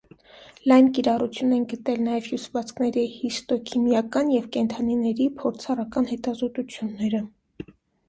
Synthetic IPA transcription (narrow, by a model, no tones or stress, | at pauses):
lɑjnkiɾɑrut͡sʰjunɛnɡət̪ɛlnɑjɛvhjusvɑt͡sʰkʰnɛɾihist̪ɔkʰimjɑkɑnjɛvkɛnt̪ʰɑninɛɾipʰɔɾt͡sʰɑrɑkɑnhɛt̪ɑzɔt̪ut͡sʰjunːɛɾə